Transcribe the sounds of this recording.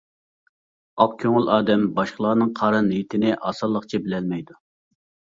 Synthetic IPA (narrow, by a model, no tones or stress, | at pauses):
ɑp̚kʲʰøŋlɑːd̪ɛmbɑʃqəlˠɑːnɨŋqʰɑːɾɑnit̪ʰɪnɪʔɑ̰ːsɑlˠːəqt͡ʃʰibɪlɛlmɛjd̪u